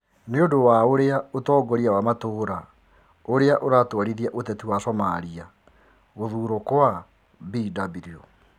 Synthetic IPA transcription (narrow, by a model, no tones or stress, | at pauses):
neodowaoɾeaotɔːɡɔɾiawamatoːɾa | oɾeaʔoɾatwaɾiðiaʔotɛtiwasɔmaɾia | ɣoðuːɾokwa | bidabiɾio